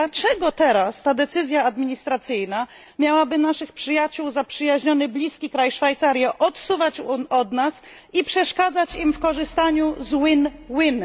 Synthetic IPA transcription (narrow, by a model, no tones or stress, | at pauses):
d̪at͡ʂɛɡɔt̪ɛɾast̪ad̪ɛt̪sɘzʲjaːd̪mʲiɲist̪ɾat̪sɘjna | mʲjawabɘnaʂɘxpʂɘjat͡ɕuwzapʂɘjaʑɲɔnɘblʲiskʲikɾajʂfajt̪saɾʲjaʔɔt̪suvat͡ɕuɔd̪nas | ipʂɛʂkad̪zat͡ɕimfkɔʐɘst̪aɲuzwinwin